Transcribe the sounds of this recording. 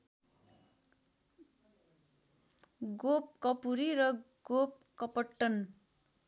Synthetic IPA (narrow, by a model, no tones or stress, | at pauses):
ɡop̚kʌpuɾiɾʌ | ɡop̚kʌpʌʈːʌn